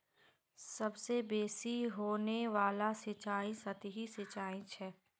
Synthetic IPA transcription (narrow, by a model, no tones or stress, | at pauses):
sɐbsebeːsiɦoːneʋaːlasɪt͡ʃaːĩsɐt̪ɦisɪt͡ʃaːĩt͡ʃʰɛː